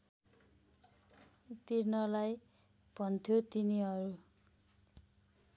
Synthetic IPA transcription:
t̪iɾnʌlajb̥ʱʌnt̪ʰjot̪iniʌɾu

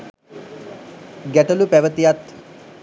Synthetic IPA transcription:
ɡæʈəlupæʋət̪ijat̪

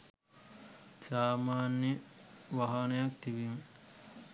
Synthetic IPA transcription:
saːmaːnjeʋaɦɐnɐjɐk̚t̪iʋiŋ

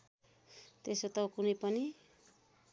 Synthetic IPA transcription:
t̪esot̪ʌkunʌjpʌni

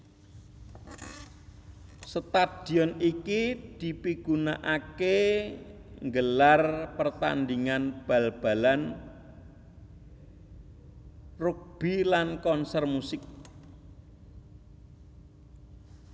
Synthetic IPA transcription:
sət̪ad̪̥i̤ɔnikid̪̥i̤piɡ̥unaʔake | ŋɡəlarpərt̪a̰nd̪iŋanb̥a̤lb̥a̤lan | ruk̚b̥ilankɔnsɛrmusɪk̚

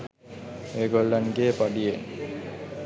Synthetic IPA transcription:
eːɡolːaŋɡeːpaɖieŋ

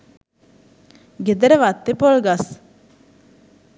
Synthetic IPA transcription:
ɡed̪əɾeʋat̪ːepolɡas

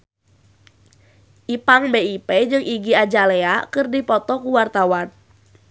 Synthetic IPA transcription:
ʔipaŋbeiped͡ʒɨŋiɡiad͡ʒaleakɨrdipɔt̪ɔkuwart̪awan

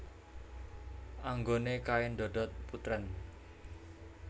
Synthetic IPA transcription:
ʔaŋɡonekaɪnd̪ɔɖɔt̪̚put̪ɾən

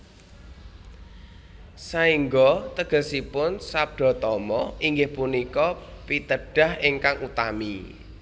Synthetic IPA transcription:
saiŋɡɔt̪əɡ̥ə̤sipʊnsap̚d̪̥ɔ̤t̪ɔmɔiŋɡɪhpunikɔpit̪əɖ̥a̤hiŋkaŋut̪ami

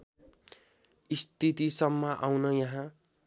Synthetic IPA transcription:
ist̪it̪isʌmːʌʔawnʌjaɦã

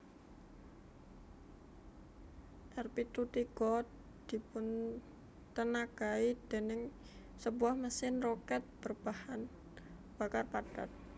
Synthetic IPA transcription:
t̪arpit̪ut̪iɡ̥ɔt̪̚ | d̪̥i̤pʊn | t̪ənaɡaid̪̥e̤nɪŋ | səbuahməsɪnrokɛt̪̚b̥ərb̥ahan | b̥akarpad̥at̪̚

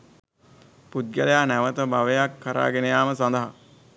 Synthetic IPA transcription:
pud̪̚ɡəlejaːnæʋət̪əbaʋejakʰːəɾa̰ːɡenejaːməsand̪əɦa

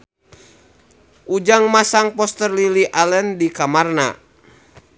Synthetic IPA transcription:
ʔud͡ʒaŋmasaŋpɔst̪ərliliʔalɛndikamarna̰

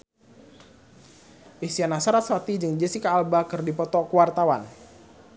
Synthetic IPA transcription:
ʔisianasaɾat̪̚sat̪id͡ʒɨŋd͡ʒəsikaːlbakɨrdipɔt̪ɔkuwart̪awan

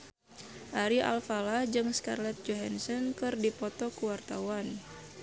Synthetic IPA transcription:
ʔaɾiʔa̰lfalahd͡ʒɨŋska̰rlɛt̪̚d͡ʒɔɦansɔnkɨrdipɔt̪ɔkuwart̪a̰wan

